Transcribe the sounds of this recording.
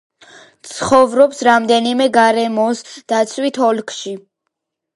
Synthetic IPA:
t̪sʰχɔvɾɔpsɾamd̪ɛnimɛɡaɾɛmɔsd̪̥at̪sʰwit̪ʰɔlkʰʃi

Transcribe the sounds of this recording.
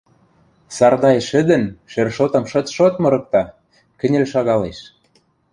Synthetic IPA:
sɑrd̪ɑjʃɘ̆d̪ə̆nʃerʃot̪ɤ̆mʃɤ̆t̪ʃot̪mɤ̆ɾɤ̆k̚t̪ɑ | kɘ̆nʲĕlʃɑɣɑleʃ

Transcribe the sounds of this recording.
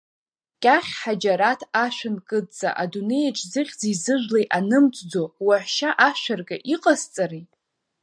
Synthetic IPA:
kʲʼaχʲħad͡ʒaɾatʰaʃʷᶣɨnkʼɨt͡sʼa̰ʔadune̞jaʈ͡ʂʼzɨχʲd͡ziizɨʒʷᶣlejanɨmt͡sʷʼd͡zowaħʷʃaʔaʃʷᶣarɡʼaʔiqʼazt͡sʼaɾijtʼ

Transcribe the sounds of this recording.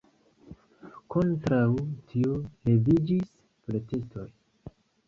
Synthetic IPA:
ko̞ntɾawtʰiole̞vid͡ʒis | plete̞sto̞j

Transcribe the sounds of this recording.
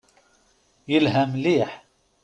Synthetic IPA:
jəlɦəmliːħ

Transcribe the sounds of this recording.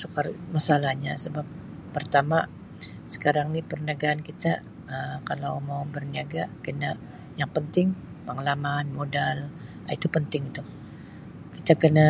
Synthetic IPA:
səkamasalahɲasəbapː | ərt̪ama | sə̥kaɾaŋnipərnəɡaːnkit̪a | əkalawmawbərniaɡakəna | jaŋpənt̪ɪŋpəŋalamanmodal | ait̪upənt̪ɪŋit̪u | kit̪akəna

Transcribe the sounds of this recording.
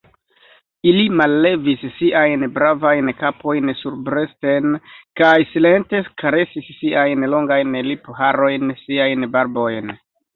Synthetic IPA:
ilimalːe̞visːiʔajnbɾavajnkapʰo̞jnsuɾbɾe̞stenkajsile̞nte̞kaɾe̞sisːiajnlo̞ŋɡajnliphaɾo̞jnsiajnbaɾbo̞jn

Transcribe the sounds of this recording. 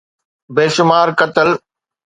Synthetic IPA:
beːʃʊmaːɾkət̪əl

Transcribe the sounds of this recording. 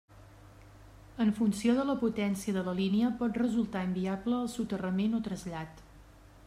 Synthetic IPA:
əɱfunsioðələput̪ɛnsiəðələliniəpɔt̪rəzulˠt̪aimbiabləːlˠsut̪ərəmenot̪ɾəzʎat̪

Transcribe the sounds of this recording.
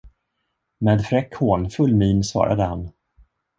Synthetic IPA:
meːd̪fɾɛkhoːnfɵlːmiːnsvɑ̰ːɾʔa̰d̪əhan

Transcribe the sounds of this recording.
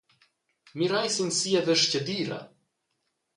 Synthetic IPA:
miɾajsinsiɛðəʃcəd̪iɾa̰

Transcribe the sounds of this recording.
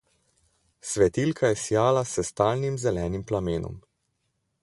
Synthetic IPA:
sʋɛt̪ilkʰajɛsjaːlasɛst̪aːlnimzɛlɛːnimplameːnɔ̰m

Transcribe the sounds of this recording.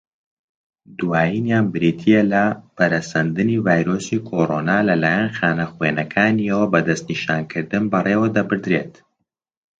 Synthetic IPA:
d̪uwaːjinjaːnbɨɾit̪ʰijɐlɐpɐɾɐsɐnd̪ɨnivaːjɾoːsikʰoɾonaːlɐlaːjɐnxaːnɐxweːnɐkʰaːniɐwɐbɐd̪ɐst̪niʃaːnkʰɨɾd̪ɨnbɐreːwɐd̪ɐbɨɾd̪ɾeːt̪

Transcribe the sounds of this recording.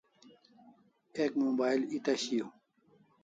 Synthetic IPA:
ekmoːbaːilit̪ɐɕijo

